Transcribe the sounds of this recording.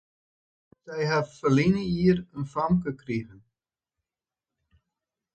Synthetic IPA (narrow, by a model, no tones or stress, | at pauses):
sɛjɦaffəlinəiəɾənfamkəkriɣən